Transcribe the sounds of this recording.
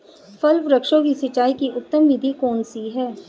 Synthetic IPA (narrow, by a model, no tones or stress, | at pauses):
fɐlʋɾɐkʃõkisɪt͡ʃːaːikiʔʊt̪ːəmʋɪd̪ʱikɔːnsiɦɛː